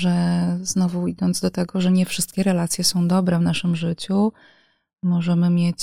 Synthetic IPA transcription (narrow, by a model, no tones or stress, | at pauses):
ʐɛznɔvuid̪ɔnd̪zd̪ɔt̪ɛɡɔʐɛɲɛfʂɘst̪̚kʲɛɾɛlat̪sʲjɛsɔ̃w̃d̪ɔbɾɛvn̪aʂɘmʐɘt͡ɕu | mɔʐɛmɘmʲjet͡ɕ